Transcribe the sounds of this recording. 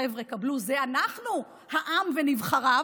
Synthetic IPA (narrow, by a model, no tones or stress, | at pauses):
evʁekabluzeanaχnu | haʔamvenivχaʁa